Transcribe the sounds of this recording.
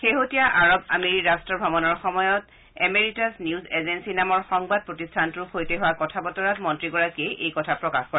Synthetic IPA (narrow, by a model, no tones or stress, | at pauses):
xeɦotijaʔaɹɔba̰meɹiɹastɹɔbʱabɔnɔɹxɔmɔjɔt | ɛmeɹitazniuzezensinamɔɹxɔŋbad̚pɹotistʰantukʰojteɦʊwakɔtʰabɔtɔɹatmɔntɹiɡɔɹakieʔejkɔtʰapɹɔkaxkɔɹɛ